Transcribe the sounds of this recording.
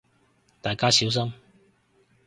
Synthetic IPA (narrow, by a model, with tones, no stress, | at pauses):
t̪aː˨˩jkaː˥si˨˥ws̬ɐ˥m